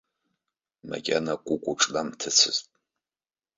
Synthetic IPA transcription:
ma̰kʲʼanakʷʼʊkʷʼʊʈ͡ʂʼlamtʰɨt͡sʰɨztʼ

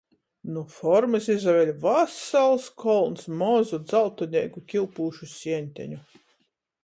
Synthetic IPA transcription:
nufɔɾmɨsizavʲɛlʲvasalˠskʰɔlˠnsmɔzud̪zalˠt̪ɔnʲiɛkukʲilˠpuːʃusʲiɛnʲt̪ʲæ̰ɲʲu

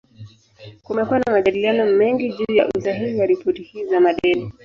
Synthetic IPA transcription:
kumɛkuwanamaʄaɗilianɔmɛŋɡiʄuːjaʔusaɦihiaɾipʰɔtihiːzamaɗɛni

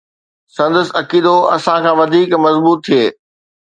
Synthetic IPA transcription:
sɐ̃nd̪əs̆ɐkiːd̪oɐ̰sãkʰãːʋɐd̪ʱiːkmɐzbuːt̪ʰːieː

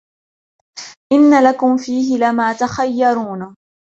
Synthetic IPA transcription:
ʔɪnːalakʊmfiːɦɪlamaːt̪axajːɑɾˤuːn

